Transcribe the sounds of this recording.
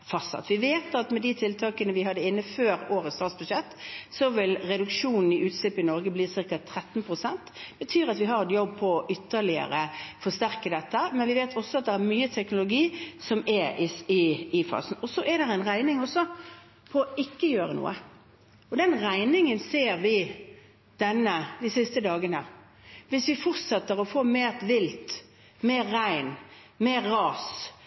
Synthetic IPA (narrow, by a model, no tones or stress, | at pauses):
fɑsɑ̰t̪ʋɪʋeːt̪ɑt̪mɛd̪it̪ʰɪlt̪ʰɑːkənəʋɪɦɑd̪ːəɪnːəføːɾoːɾət̪st̪ɑːt̪sbʉɕɛt̪ːsɔʋɪlɾɛd̪ʉkʂuːnn̩ɪʔʉːt̪slɪpɪnɔɾɡəbliːsɪɾkət̪ʰːɾɛt̪ːnpʰʁʊsɛnt̪b̥ət̪ʰyːɾɑt̪ʋɪɦɑɾɛt̪jɔbːpʰɔʔʏt̪ːəɾlɪə̰ɾəfɔʂt̪æɾkəd̪ɛt̪ːəmɛnʋɪʋeːt̪ʰɔsːɔɑt̪̚d̪ɛæɾmyːət̪ʰɛknʊlʊɡiːsɔmɛɪɪɪfɑ̰ːsn̩ɔsɔʔɛd̪ɛɾɛɪnʁæɪnɪŋɔsːɔ | pʰɔːɪkːəjøːɾənṵːə̰ | ɔd̪ɛnʁæɪnɪŋənseːɾʋɪ | d̪̥ɛnːəd̪ɪsɪst̪əd̪ɑːɡənə | ʋɪsʋɪfɔʁt̪sɛt̪ːəʁɔfoːmeːʁt̪ʋɪlt̪ | meːɾːæɪn | meːɾːɑːs